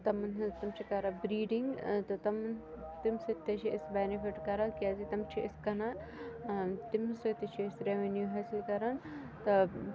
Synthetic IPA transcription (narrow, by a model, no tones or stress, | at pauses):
t̪ɐmnt̪ɐmt͡ʃʰikɐɾɐbɾiːɖiŋɡt̪ɐt̪ɐmn | t̪imsɐt̪ːɐt͡ʃʰiɪsbenifiʈkɐɾɐnkʲaːzit̪ɐmt͡ʃʰiʔɪskɐna | t̪imsot̪ɐt͡ʃʰiːsɾeʋenjuɦɐːsilkɐɾɐn | t̪ɐ